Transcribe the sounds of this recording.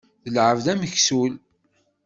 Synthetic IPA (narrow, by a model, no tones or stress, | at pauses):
ðəlʕəvðæməçsul